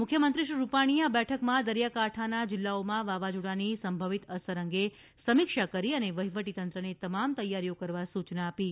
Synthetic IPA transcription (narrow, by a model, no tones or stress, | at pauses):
mʊkʰjəmənt̪ɾiʃɾiɾupaɽ̃iabɛʈʰəkmãd̪əɾjakaʈʰanad͡ʒɪlːaomãʋaʋad͡ʒuɽanisəmbʱəʋit̪əsəɾəŋɡe | səmikʃakəɾiəneʋəɦiʋəʈit̪ənt̪ɾənet̪əmamt̪əjːaɾijokəɾʋasut͡ʃnaːpi